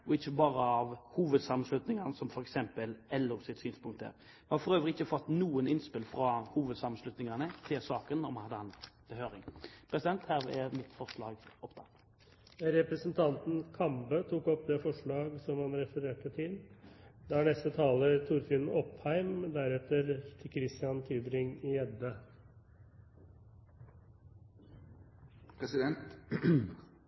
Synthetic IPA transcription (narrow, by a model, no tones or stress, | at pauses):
ɔɪçːəbɑːɾəɑʋhuːʋəd̪sɑmnslʉt̪nɪŋɑnəsɔmfɔɾɛksɛmpəlɛlːɔsɪt̪syːnspʰʊŋkt̪æ̰ːʁ | mɛnhɑfɔʁøːʋəɾəɪçːəfɔt̪ːnuːənɪnspɪlfɾɑhuːʋəd̪sɑmənslʉt̪nɪŋɑnət̪ʰɪlsɑːkənɔmhɑnhɑd̪ːəhɑnb̪əhøːɾɪŋpʰɾɛsɪd̪ɛnt̪hæːʁɛɾmɪt̪fɔʁʂlɑːɡɔpt̪ʰɑ̰ːt̪ | ɾɛpɾəsənt̪ʰɑnt̪n̩kʰɑmbət̪ʰuːkɔpd̪ɛːfɔʂɭɑːɡsɔmɑnɾɛfəɾeːʈət̪ʰɪld̪ænɛst̪ət̪ʰɑːləɾt̪ʰʊɾfɪnɔphæɪmd̪æɾɛt̪əɾt̪ʰɪkʰɾɪst̪ɪɑnt̪ʰyːbɾɪŋɪɛd̪ə | pʰɾɛsɪd̪ɛnt̪